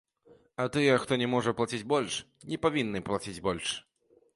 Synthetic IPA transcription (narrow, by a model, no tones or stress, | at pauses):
ɐt̪ɨjɛxt̪ɔnʲɛmɔʐɐplˠat͡sʲid͡zʲbɔlʲʂ | nʲɛpavʲinːɨplˠat͡sʲid͡zʲbɔlʲʂ